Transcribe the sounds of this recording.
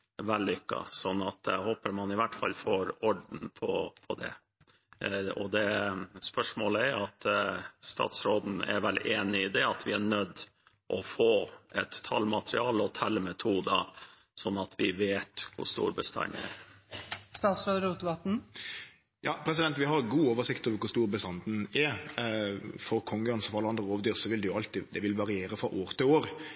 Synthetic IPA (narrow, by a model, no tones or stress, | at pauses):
ʋɛlːʏkːɑ̰sɔnːɑt̪̚ɛhoːpəɾmɑnɪʋæʈːfɑlːfoːɾɔɖɳn̩pʰɔpʰɔd̪ɛ̰ | ɔd̪ɛspœʂmoːləæɾjʊɑt̪st̪ɑ̰ːt̪sɾoːd̪n̩ɛ̰ɾʋɛleːnɪɪd̪ɛɑt̪ʰʋɪæɳœd̪ː | ʔɔfoːʔɛt̪ʰːɑlmɑt̪ɾɪɑːlɔt̪ʰɛlːmɛt̪ʰuːd̪ɑ | sɔnːɑt̪ʰʋɪʋeːt̪kʰʊ̰st̪ṵːɾbəst̪ɑ̰nɛ̰ɾ | st̪ɑːt̪sɾoːd̪ɾuːt̪ʋɑt̪n̩ | jɑːpʰɾɛs̬ɪd̪ɛnt̪ʋɪɦɑɾɡuːoːʋəsɪkt̪ɔʋkʊɾst̪uːɾbəst̪ɑnd̪n̩ɛɾ | fɔɾkʰɔŋːəɑnsɔfɔɾɑləɑnd̪ɾəoːʋəd̪yːɾsɔʋɪld̪ɛjʊɑlt̪ɪd̪ɛʋɪlʋɑɾɪeːɾəfɾɔʔoːɾt̪ɪoːɾ